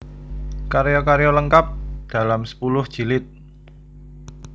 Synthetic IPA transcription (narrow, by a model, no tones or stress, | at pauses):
kaɾejɔkaɾjɔləŋkap̚d̪̥a̤lamsə̥pulʊhd̥ʒ̥i̤lɪt̪̚